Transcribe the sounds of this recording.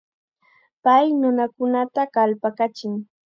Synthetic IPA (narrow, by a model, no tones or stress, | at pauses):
pajnʊnakʊnat̪akalpakat͡ʃɪŋ